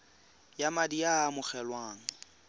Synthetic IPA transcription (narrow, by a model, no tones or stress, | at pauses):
jamadijaːmʊχɛlwaːŋ̩